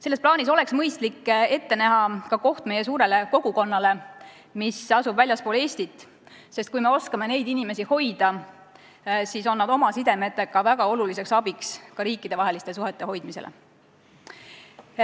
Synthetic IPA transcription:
selːesplɑːniso̞le̞ksmɤ̞jst̪likːe̞t̪ːe̞næɦɑkɑko̞ht̪me̞je̞s̬uːɾe̞le̞ko̞ɡ̥uko̞nːɑle̞ | misɑsubvælʲjɑspole̞ːsʲt̪it̪ːˑ | se̞st̪̚kujme̞o̞skɑme̞ne̞jd̪inime̞siho̞jd̪̥ɑ | siso̞nːɑd̪o̞mɑsid̪e̞me̞t̪ːˑe̞kɑvæɡ̥ɑo̞lulise̞ksɑbikskɑɾiːkːˑid̪̥e̞vɑɦe̞list̪e̞s̬uɦe̞t̪ːˑe̞ɦo̞jd̪mise̞̰lʔḛ

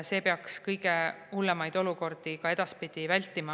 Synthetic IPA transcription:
se̞ːpeɑkskɤjɡeulːemɑjd̪̥o̞luko̞rd̪̥ikɑe̞d̪̥ɑspid̪̥ivælʲt̪ːˑimɑ

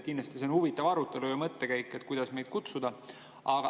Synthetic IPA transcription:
kind̪lɑst̪isenhuvit̪ːˑɑvɑɾut̪ːˑe̞lujɑmɤt̪ːe̞kæjkˑːe̞t̪ːˑkujd̪̥ɑsme̞jd̪̥̚kut̪sud̪̥ɑ | ɑɡ̥ɑ

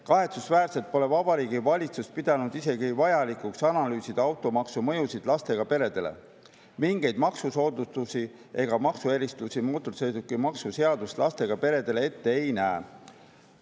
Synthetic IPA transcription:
kɑɦe̞t̪susvæːrse̞lt̪̚po̞le̞vɑbɑɾiːɡivɑlʲit̪sust̪̚pid̪̥ɑnud̪̥ise̞ɡivɑjɑlikuksɑnɑlyːsid̪̥ɑwt̪ːˑo̞mɑksumɤjusid̪lɑst̪e̞ɡ̥ɑpe̞ɾe̞d̪̥e̞le̞̰ | miŋɡ̥e̞jd̪mɑksuso̞ːd̪ut̪usi | ʔe̞ɡ̥ɑmɑksueɾist̪usimoːt̪ːˑusejd̪ukːimɑksuse̞ɑd̪ust̪lʔɑst̪e̞ɡ̥ɑpe̞ɾe̞d̪̥e̞lee̞t̪ːe̞ejnæe

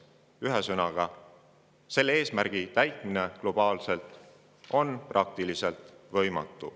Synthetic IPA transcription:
yɦesɤnɑɡ̥ɑ | se̞lːee̞ːsmærɡ̥it̪æjt̪ˑmine̞klo̞b̥ɑːlse̞lt̪ˑ | o̞nprʔɑk̚t̪ilise̞lt̪ˑvɤjmɑ̰t̪ːˑu

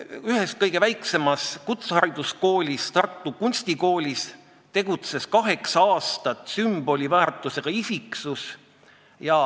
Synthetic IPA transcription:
yhes̚kɤjɡ̥e̞væjkse̞mɑskut̪shɑɾid̪̥usko̞ːlʲist̪ɑrt̪ːˑukunʲst̪iko̞ːlʲis | t̪e̞ɡ̥ut̪se̞skɑɦe̞ksɑɑːst̪ɑt̪ˑsymb̥o̞lʲivæːrt̪ːˑuse̞ɡ̥ɑisiksus | jɑ

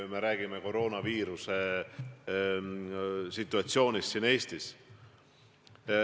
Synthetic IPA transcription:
meɾæːɡ̥imeko̞ɾo̞ːnɑviːɾuse̞ | sit̪ːˑuɑt̪sio̞ːnʲist̪sine̞ːst̪is

